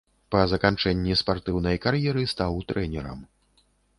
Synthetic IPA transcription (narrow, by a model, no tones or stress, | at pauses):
pɐzɐkant͡ʂɛnʲːispart̪ɨwnɐjkarjɛɾɨst̪awt̪ɾɛnʲɛɾɐ̰m